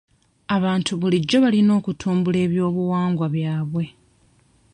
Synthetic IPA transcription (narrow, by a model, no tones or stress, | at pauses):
aβaːntʰuβuliɟːo̞βalino̞ːkutʰuːmbule̞ːβjo̞ːβuwaːŋɡwaβjaːβwe̞